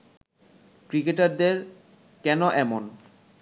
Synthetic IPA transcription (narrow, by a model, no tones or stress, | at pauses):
kɾikeʈaɾd̪eɾ | kɛnoʔɛmon